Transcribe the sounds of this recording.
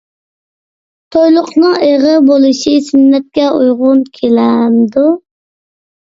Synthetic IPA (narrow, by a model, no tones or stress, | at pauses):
t̪ʰojlˠʊqnɨŋeʁɨbolˠɨʃisynːɛt̪̚kʲɛujʁʊnkʲʰelɛmd̪u